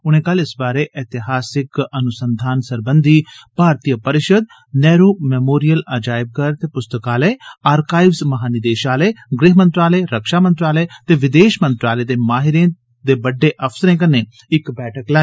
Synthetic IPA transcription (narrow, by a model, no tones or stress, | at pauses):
ʊñẽːkəlɪsbaːɾeːʔɛːt̪ɪɦaːsɪkənʊsənd̪ʱaːnsəɾbənd̪ʱiːpaːɾt̪ijəpəɾɪʃəd̪̚ | nɛːɾoːmɛːmoːɾijəlad͡ʒaːɪb̚kəɾt̪eːpʊst̪əkaːleːaːɾkaːɪʋzmɐɦaːnɪd̪eːʃaːleːɡɾɪɦmə̃nt̪ɾaːleːɾəkʃaːmə̃nt̪ɾaːlɛːt̪eːʋɪd̪eːʃmə̃nt̪ɾaːleːd̪eːmaːɦɪɾẽː | d̪eːbəɖːeːʔəfʰsəɾẽːk̬ənẽː | ɪkbɛːʈʰəklaːeː